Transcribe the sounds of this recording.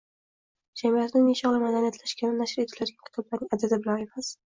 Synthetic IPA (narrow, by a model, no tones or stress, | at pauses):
d͡ʒamiat̪nɪmiʃɒʁlɪmad̪anijat̪ʰlaʃkʲʰanɪnaʃɪɾet̪ʰɪlad̪ɡʲakʲʰɪ̥t̪ʰɒblaɾnɪŋad̪ad̪abɪlane̞mas